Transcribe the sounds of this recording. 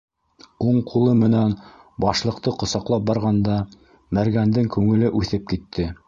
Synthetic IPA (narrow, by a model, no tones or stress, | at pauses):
uɴqʰulˠɤmɘ̆næn | bɑʃlˠɤ̆q̚t̪ɤqŏsɑqlˠɑp̚bɑɾʁɑnd̪ɑ | mæɾɡænd̪ɘŋkʉŋɘ̆lɘʔʉθɘp̚kit̪ʰːɘ